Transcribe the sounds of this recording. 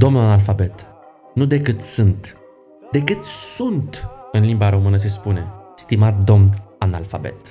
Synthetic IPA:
d̪o̞mnuanalfabe̞t̪ | nud̪e̞kɨt̪sɨnt̪ | d̪̥e̞kɨt̪sunt̪ɨnlimbaɾo̞mɨnəs̬e̞spune̞st̪imat̪̚d̪o̞mnana̰lfabe̞̰t̪

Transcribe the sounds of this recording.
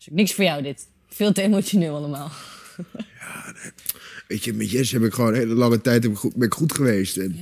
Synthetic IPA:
sɪk̚nɪksfoːɹjawdɪt | fɪːlˠtəemosjonɪːlˠaləmaːlˠ | ja | ʋeːtjəmɛtjɛsɦɛpɪkχʋoːnɛəlɑŋətɛjtɛɪbɛnɪkχutχəʋeːstɛn

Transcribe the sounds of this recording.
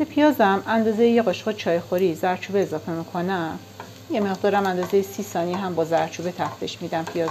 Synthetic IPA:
bepʰijɒːzæmænd̪ɒːzejejeɣoʃʁet͡ʃʰɒːjexoɾiːzæɾt͡ʃʰuːbeːzɒːfe̞mikʰonæm | jeme̞ʁd̪ɒːɾæmænd̪ɒːzejesiːsɒːniɦæmbɒːzæɾt͡ʃʰuːbe̞t̪ʰæft̪ʰeʃmiːd̪æmpʰijɒːz

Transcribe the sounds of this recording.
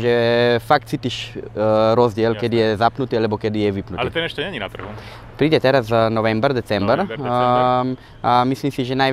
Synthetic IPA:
ʒɛfakt̪sit̪iʃ | ɾozd̪jɛlkɛd̪ijɛzapnut̪ialɛbokɛd̪ijɛʋipnutlit̪ɛnɛʃt̪onɛɲinat̪ɾɣu | pɾid̪ɛt̪ɛɾazzanoʋɛmbɾd̪ɛt̪sɛmbɾ | amislimsiʒɛnaj

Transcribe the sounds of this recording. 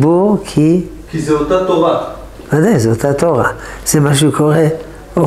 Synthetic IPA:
buʁkʰi | kizeot̪at̪oʁa | vad̪ajzeot̪at̪oʁaz̥emaʃ̬eukʰo̞ʁe | o

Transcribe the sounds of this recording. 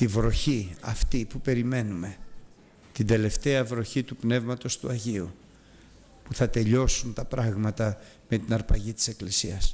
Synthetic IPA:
t̪ivɾo̞çiɐft̪ipupe̞ɾime̞nume̞ | t̪ind̪e̞le̞ft̪e̞ɐvɾo̞çit̪upne̞vmɐt̪o̞st̪uɐʝiu | puθɐt̪e̞ʎo̞sunt̪ɐpɾɐɣmɐt̪ɐ | me̞t̪inɐɾpɐʝit̪i̥se̞klisiɐs

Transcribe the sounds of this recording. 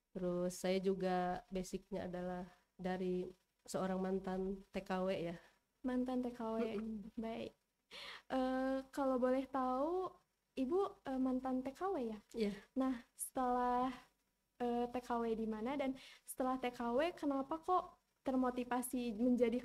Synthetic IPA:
t̪ɾʊsːajad͡ʒuɡabesɪk̚ɲaa̰dalah | daɾi | səoɾaŋmant̪ant̪ekaweja | mant̪ant̪ekawebaḭk̚ | ʔəːkalobolɛht̪au | ibuʔəmant̪ant̪ekawejaijanahsə̥t̪əlah | ʔəːt̪ekawɛdimanadansə̥t̪əlaht̪ekawekənapakoʔ | t̪ərmot̪ifasiməɲd͡ʒadi

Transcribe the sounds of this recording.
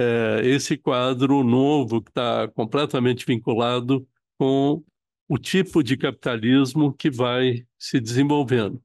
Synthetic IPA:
ɛesɪkwad̪ɾʊnovʊkɪ̥t̪akõmplɛt̪ɐmẽnt͡ʃɪvĩŋkulad̪ʊ | kõ | ʊt͡ʃipʊd͡ʒɪkapi̥t̪alizmʊkɪvajsɪd͡ʒɪzẽvowvẽnd̪ʊ

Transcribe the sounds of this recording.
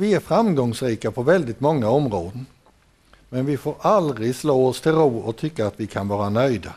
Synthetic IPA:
vɪæɾfɾamɡɔŋsɾiːkapʰɔvɛld̪ɪt̪mɔŋːaɔmɾoːd̪ən | mɛnvɪfoːɾald̪ɾɪɡsloːɔst̪ʰɪlɾuːɔt̪ʰʏkːaːt̪vɪkʰanvɑːɾanœjd̪a

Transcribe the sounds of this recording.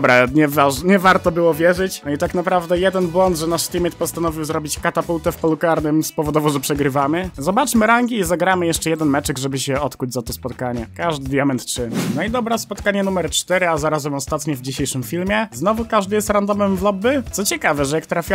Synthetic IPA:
bɾɛɲɛvaɲɛvaɾt̪ɔbɘwɔvʲjɛʐɘt͡ɕnɔit̪aknapɾavd̪ɛjɛd̪ɛnbwɔnd̪ʐɛnaʂt̪ʲimʲɛt̪pɔst̪anɔvʲiwzɾɔbʲit͡ɕkat̪apult̪ɛfpɔlukaɾnɘmspɔvɔd̪ɔvɔʐɛpʂɛɡɾɘvamɘzɔbat͡ʂmɘɾaŋɡʲiːzaɡɾamɘjɛʂt͡ʂɛjɛd̪ɛnmɛt͡ʂɛɡʐɛbɘɕɛɔt̪kud͡ʑzat̪ɔspɔt̪kaɲɛkaʐd̪ɘd̪jamɛnt̪tʂɘnɔid̪ɔbɾɛspɔt̪kaɲɛnumɛɾt͡ʂt̪ɛɾɘazaɾazɛmɔst̪at̪ɲɛvd͡ʑiɕejʂɘmfʲilmʲjɛznɔvukaʐd̪ɘjɛst̪ɾand̪ɔmɛmvlɔbɘt̪sɔt͡ɕɛkavɛʐɛjakt̪ɾafʲja

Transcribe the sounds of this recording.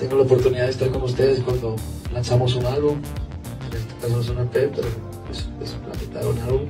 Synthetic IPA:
t̪eŋɡolaopo̞ɾt̪uniðaðest̪aɾkonus̬t̪eðe̞skwand̪olansamos̬unalβum | enest̪o̥as̬amos̬unat̪eppeɾo | espespla̰t̪it̪a̰ɾṵnalβum

